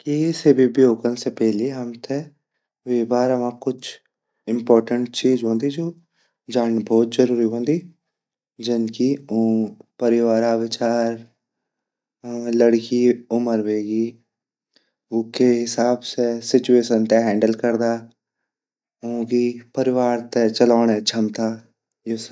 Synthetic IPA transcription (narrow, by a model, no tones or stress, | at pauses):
kisebibjoːkənsepɛɦliɦɐmt̪ʰe | ʋebaːɾɐmãkʊt͡ʃʰ | ɪ̃mpɔːɾʈə̃ɳʈ̚t͡ʃiːd͡ʒɦõːnd̪id͡ʒoː | d͡ʒaːnbɔːt̪zɐɾuːɾiɦõːnd̪i | d͡ʒɪnki | pəɾɪʋaːɾaːʋɪt͡ʃaːɾ | ləɽkiːʊməɾʋeːɡiː | ʊkeɦɪsaːbsesɪt͡ʃueːʃənt̪eɦɛ̃ːɳɖəlkəɾd̪aː | õːɡiːpəɾɪʋaːɾt̪et͡ʃəlaːnɛt͡ʃʰəmt̪aː | jes